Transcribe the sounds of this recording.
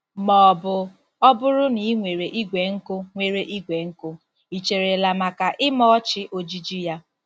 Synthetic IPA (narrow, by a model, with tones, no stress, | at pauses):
mɔ˨bʊ˨ | ɔ˦bʊ˦ɾʊ˦ni˨˦ŋʷe˨ɾe˨ʔi˦ɡʷe˨ŋ̩˦kʊ˦ŋʷe˨ɾe˨ʔi˦ɡʷe˨ŋ̩˦kʊ˦ | i˨t͡ʃe˨ɾe˨la˨ma˨ka˨ʔɪ˦mɔ˦ɔ˦t͡ʃɪ˦ʔo˦d͡ʒi˦d͡ʒi˦ja˦